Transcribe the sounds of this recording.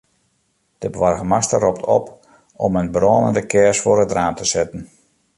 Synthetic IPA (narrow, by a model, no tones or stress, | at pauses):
d̥əbəʋɔrɣəmastərɔptʰɔ̰p | ɔmənbrɔːnəndəkʰɛsfʊəɾətdraːmtəsɛtən̩